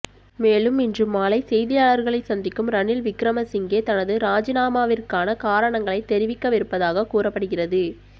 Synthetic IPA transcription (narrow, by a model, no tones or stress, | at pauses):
meːlɯmɪndrɯmːaːlɐɪsɛjðɪjaːɭɐɾɣɐɭɐɪsɐnd̪ɪkːɯmɾɐnɪlʋɪkɾɐmɐsɪŋɡeːt̪ɐnɐðɯɾaːd͡ʒɪnaːmaːʋɪrkaːnɐkaːɾɐɳɐŋɡɐɭɐɪt̪ːɛɾɪʋɪkːɐʋɪɾɯpːɐðaːɣɐkuːrɐpːɐɽɯɣɪrɐðɯ